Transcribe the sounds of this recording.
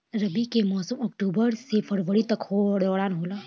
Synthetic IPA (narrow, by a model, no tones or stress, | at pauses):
ɾɐbikemɔːsəmɔkʈuːbəɾsepʰəɾʋəɾit̪ɐkhoɽɔːɽaːnɦoːlaː